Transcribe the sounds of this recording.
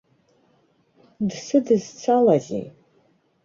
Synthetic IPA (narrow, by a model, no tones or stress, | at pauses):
dsɨdɨzt͡sʷʰalazḛ